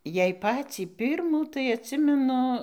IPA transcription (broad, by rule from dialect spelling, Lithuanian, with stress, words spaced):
jɛɪ ˈpɑːt͡sʲiː ˈpʲɪrmuː tɐɪ ɐtʲˈsʲɪmʲɛnʊ